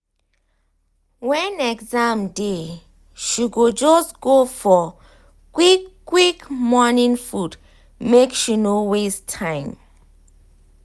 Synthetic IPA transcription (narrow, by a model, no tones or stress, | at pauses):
wɛ̃nɛɡzãmde | ʃiɡod͡ʒɔsɡ̥ofɔ | kwikː | wikmɔnĩŋfud | mekʃinowestʰãɪ̃m